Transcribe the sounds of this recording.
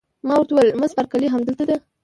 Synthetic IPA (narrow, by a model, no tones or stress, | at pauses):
mɑwaɾt̪awjelməzpaɾkaliɦamd̪əlt̪ad̪a